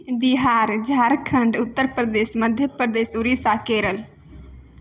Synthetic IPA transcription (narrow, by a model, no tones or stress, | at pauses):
biɦaːɾd͡ʒʱaɾkʰə̃ɳɖʊt̪ːəɾpɾəd̪esməd̪ʱjəpɾəd̪esuɾisakeɾəl